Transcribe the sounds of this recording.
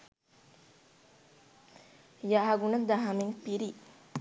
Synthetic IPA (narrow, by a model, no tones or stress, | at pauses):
jaɦɐɡunɐd̪aɦamiŋpiɾi